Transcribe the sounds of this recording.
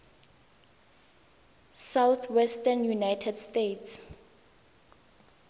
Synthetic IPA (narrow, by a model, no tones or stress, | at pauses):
sawθʰwɛstanjunajtʰɛdstetʰs